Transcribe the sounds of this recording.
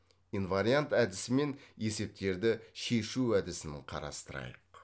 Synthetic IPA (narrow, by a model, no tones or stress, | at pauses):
invaɾijant̪æd̪ɪsɪme̞nje̞se̞p̚t̪e̞ɾd̪ɪʃe̞ʃuæd̪ɪsɪnɪɴqʰɑ̰ɾɑ̰st̪əɾɑ̰jə̰q